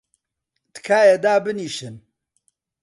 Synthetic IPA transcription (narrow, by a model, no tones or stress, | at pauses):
t̪kʰaːjed̪aːbɨniːʃɨn